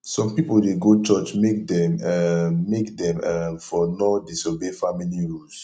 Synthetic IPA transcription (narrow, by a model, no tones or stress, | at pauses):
sɔ̃mpipoldeɡot͡ʃɔt͡ʃmek̚dɛ̃mɛmekdɛ̃mɛfɔnɔdisobefamiliɹuls